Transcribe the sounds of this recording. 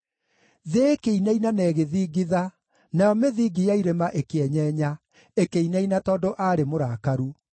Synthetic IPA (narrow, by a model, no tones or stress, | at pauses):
ðeːkeinainanɛːɣeðiːɡiða | najɔmeðiːɡijaiɾemaʔekeɛɲɛɲa | ekeinainatɔːdoʔaːɾemoɾaːkaɾu